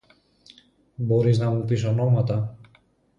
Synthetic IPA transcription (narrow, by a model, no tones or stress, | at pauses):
bo̞ɾiznɐmupiso̞no̞mɐt̪ɐ